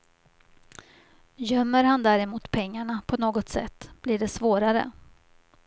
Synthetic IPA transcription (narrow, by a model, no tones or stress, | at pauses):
jœmːəɾhand̪æɾɛmuːt̪pʰɛŋːaɳapʰɔnoːɡɔt̪sɛ̰t̪ːb̥lɪɖɛsvoːɾaɾə̰